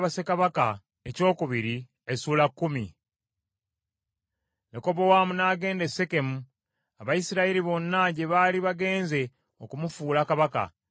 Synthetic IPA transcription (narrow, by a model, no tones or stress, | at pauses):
βase̞kaβaka | eco̞ːkuβiɾi | esuːlakːumi | neko̞βo̞waːmunaːɡe̞ːndesːe̞ke̞mu | aβajisiɾaeɾiβo̞nːaɟe̞βaːliβaɡe̞ːnze̞ | okumufuːlakaβaka̰